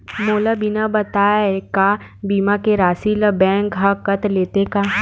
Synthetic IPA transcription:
moːlabinabɐt̪aːjaɦɛkaːbiːmakeɾaːsiləbɛ̃ːŋkɦakɐt̪leːt̪ekaː

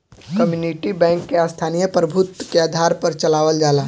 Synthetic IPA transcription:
kɐmjuːniʈibɛ̃ːŋkːeast̪ʰaːnijəpɾəbʱʊt̪keaːd̪ʱaːɾpɐɾt͡ʃɐlaːʋəld͡ʒaːla

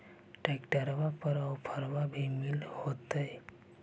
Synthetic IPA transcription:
ʈekʈəɾʋapəɾəwpʰəɾʋabʱimilhot̪əe

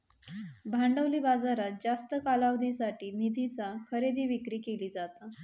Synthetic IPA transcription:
bʱãɳɖəʋliːbad͡zaɾat̪̚d͡zast̪əkalaʋd̪ʱisaʈiːnid̪ʱit͡sakʰəɾed̪ʱiːʋikɾiːkeliːd͡zat̪a

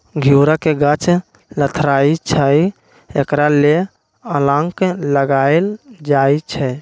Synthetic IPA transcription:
ɡʱiuɾakeɡət͡ʃ | lət̪ʰɾait͡ʃʰəj | ekɾale | əlãŋkləɡaeld͡ʒajt͡ʃʰɛ

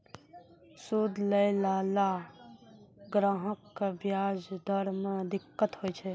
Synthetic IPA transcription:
sud̪ʱləjlaːla | ɡɾaːɦəkːabjad͡ʒd̪əɾmẽd̪ɪkːət̪ɦojt͡ʃʰe

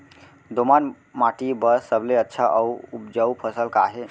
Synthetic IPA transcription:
d̪oman | maʈibəssəbleətːʃʰaʔəupd͡ʒəupʰəsəlkaɦe

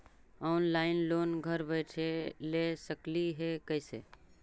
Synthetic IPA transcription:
ɔʊnlaɪnloːnɡʱəɾbəɪʈʰelesəkliɦekəɪsḛ

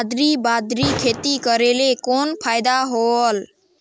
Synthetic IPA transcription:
d̪ɾibad̪ɾikʰet̪ikəɾelekoːnpʰaːjd̪aɦoəl

